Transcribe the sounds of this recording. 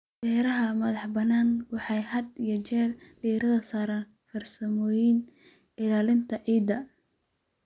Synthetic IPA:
bɛːɾɐɦɐmɐðɑħbɐnaːnwɑħɑjhɐd̪ijɔt͡ʃɛːlɖiːɾɐðɐsaːɾaːn | fɐrsɐmɔːjɪn | ɪlaːlɪnt̪ʰɐʕiːd̪ɐ

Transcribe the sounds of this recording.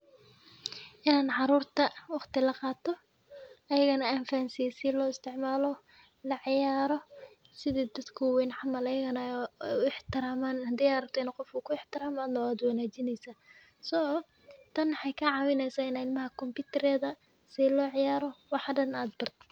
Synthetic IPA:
ʔɪnaːnʕɑɾuːrt̪ʰɐwɑχt̪ʰɪlɐqɑːt̪ʰɔ | ʔɐjɐɣɐnɐaːnfaːnsiɛsɪlɔːɪst̪ʰɪʕmaːlɔ | lɐʕɪjaːɾɔ | sɪðiːd̪ɐd̪kʰʊwɛnħɑmɐlɐjɐɣɐnɐʊɪħt̪ɪɾaːmaːnhɐd̪ɛjaɾɐb̚t̪ʰɛːnɐqɔfkukʰʊɪħt̪ɪɾaːmaːnɔaːd̪wɑnaːt͡ʃɪnɛjsaː | sɔ | t̪ʰɐnwħɑjkʰɐʕɑːwɪnɛjsaːɪnaɪlmɐɦɐkʰɔmpɪːt̪ʰɐɾɛːðɐ | sɪlɔːʕɪjaːɾɔwɑħɖɐnaːd̪̚bɐrt̪

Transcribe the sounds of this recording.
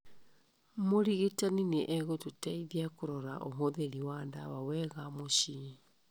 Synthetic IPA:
moɾiɣetanineʔɛɣototaiðiakoɾɔɾa̰ʔoɦoðeɾiwandawawɛɣamoɕi

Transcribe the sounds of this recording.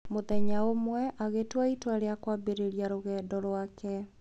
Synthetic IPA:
moðɛɲaomwɛʔaɣetwaitwaɾeakwabeɾeɾjaɾoɣɛdɔɾwakɛ

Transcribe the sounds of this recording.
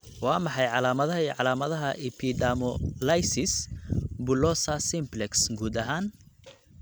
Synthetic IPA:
wɑːmɑħɑjʕɑlaːmɐðɐʕɑlaːmɐðɐɦɐʔɪpʰid̪amɔlɐjsɪsbʊlɔsɐsɪmblɛksɡuːd̪ɐɦaːn

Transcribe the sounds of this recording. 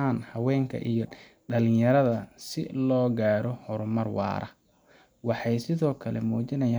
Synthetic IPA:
aːnhɐwɛːŋkʰɐ̰ʔijɔ | ɖɐlɪjɐɾɐðɐsɪ̰lɔːɡaːɾɔhɔɾʊmɐrwɑ̰ːɾɐ̰ | wɑħɑjsɪðɔːkʰɐlɛmuːt͡ʃɪnɐjaː

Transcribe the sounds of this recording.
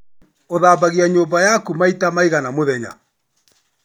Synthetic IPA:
oðaːbaɣiaɲoːmbajakumaitamaiɣanamoðɛɲa̰

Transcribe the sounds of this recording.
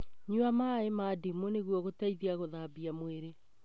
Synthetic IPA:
ɲuamaemadimoneɣwɔɣotaiðiaɣoðabiamweɾe

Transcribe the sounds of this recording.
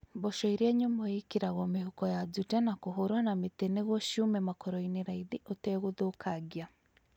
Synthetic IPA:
bɔʃɔiɾeɛɲomɔekeɾaɣɔmehokɔjad͡zutɛnakoɦoɾwanameteneɣwɔʃumɛmakɔɾɔineɾaiðiʔotɛːɣoðoːkʰaɡia

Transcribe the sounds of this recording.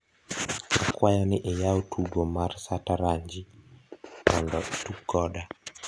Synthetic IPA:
akwajaniʔɛjawtʰuɡɔmaɾsataɾaɲd͡ʒi | mɔndɔtukːɔɗa

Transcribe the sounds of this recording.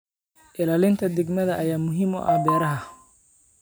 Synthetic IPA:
ʔɪlaːlɪnt̪ʰɐd̪ɛɡmɐðɐʔɐjaːmʊɦiːmʊ̰ʔɐ̰hbɛːɾɐɦɐ

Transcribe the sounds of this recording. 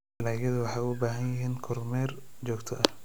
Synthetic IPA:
ɪlaːjɐðʊwɑħɑjʊbaːɦɐnjɪɦiːnkʰɔrmɛːrt͡ʃɔːkt̪ʰɔʔɐ

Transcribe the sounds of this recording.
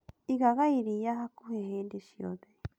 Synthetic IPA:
iɣaɣaiɾijaɦakuheɦendeʃio̰ðe

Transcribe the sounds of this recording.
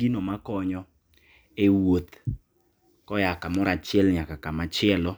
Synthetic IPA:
inɔmakɔɲɔ | ewot̪ | kɔjakamɔɾat͡ʃɪɛlɲakakamat͡ʃɪɛlɔ

